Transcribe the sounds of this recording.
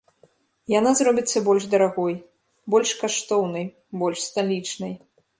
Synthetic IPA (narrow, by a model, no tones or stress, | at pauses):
janazrɔbʲit̪sːɐbɔlʲʐd̪ɐɾaɣɔj | bɔlʲʂkaʂt̪ɔwnɨj | bɔlʲʂst̪alʲit͡ʂnɐj